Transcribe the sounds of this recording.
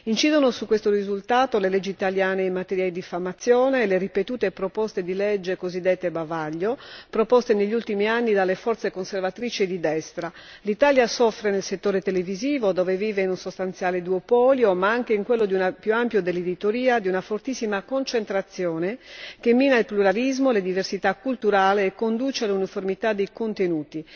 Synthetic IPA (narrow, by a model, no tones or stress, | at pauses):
int͡ʃiːd̪onosukːwest̪orizult̪aːt̪oleled͡ʒːiːt̪aljaːneːmat̪eɾjaid̪ifamːat̪sːjɔːneːleripet̪uːt̪epɾopɔst̪ed̪iled͡ʒːekozid̪ːet̪ːebavaʎːopɾopɔst̪eneʎːult̪imianːid̪alːefɔrt̪sekonservat̪ɾiːt͡ʃid̪id̪ɛst̪ɾa | lit̪aːljasɔfːɾenelset̪ːoːɾet̪eleviziːvod̪ɔːveviːveinunsost̪ant̪sjaːled̪uopɔːljomaaŋk̟eiŋkwelːod̪iunapjuampjod̪elːed̪it̪oɾiːad̪iunafort̪isːimakont͡ʃent̪ɾat̪sːjɔːnek̟emːiːnailpluɾalizmoled̪iversit̪akːult̪uɾaːleːkːond̪uːt͡ʃealuniformit̪ad̪ːejkont̪enuːt̪i